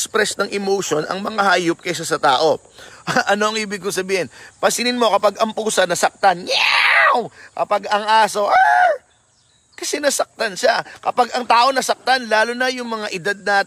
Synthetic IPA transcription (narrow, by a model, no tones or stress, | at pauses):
spɾɛsnɐŋʔɛmowʃo̞nɐ̰ŋmɐŋahaːjʊp̚kɐjʃ̬asɐt̪aːʔo̞ | ʔʔɐno̞ɐŋʔiːbɪɡ̚kʊŋsɐbiːhɪnpɐsɪnɪnmo̞kɐpaɡɐmpuːsɐnɐsɐk̚t̪anjawkɐpaɡɐŋʔaːso̞ʔa | kɐsɛnɐsɐk̚t̪ɐnʃakɐpaɡɐŋt̪aːʔo̞nɐsɐk̚t̪anlaːlonɐjʊŋmɐŋaʔɪd̪ad̪̚naː